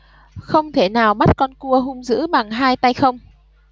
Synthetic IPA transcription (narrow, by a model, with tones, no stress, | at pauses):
xə˧wŋ͡mt̪ʰe˧˩naː˨˩wɓa˦˥t̚kɔ˧nku˧əɦʊ˧ŋ͡mzɨ̰˧˥ɓa˨˩ŋɦaː˧jt̪a˧jxə˧wŋ͡m